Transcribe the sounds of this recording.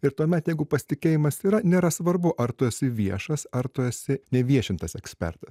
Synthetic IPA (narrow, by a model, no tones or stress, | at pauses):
ɪɾt̪uɔmʲɛt̪jɛɪɡʊpɐsʲt̪ʲɪkʲeːjɪmɐsiːɾɐnʲeːɾɐsʋɐɾbʊʔɐɾt̪ʊɛsʲɪʋʲiɛʃɐsɐɾt̪ʊɛsʲɪnʲɛʋʲiɛʃʲɪnt̪ɐsɛksʲpʲɛ̰ɾt̪ɐs